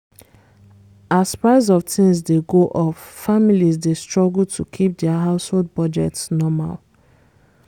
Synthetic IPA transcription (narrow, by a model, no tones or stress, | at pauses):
aspɹaɪzɔvtʰĩŋzdeɡoʔɔffamilizdestɹɔɡl̩tʰukʰip̚dɛaɦaʊsholˠd̚bɔd͡ʒɛtsnɔma̰l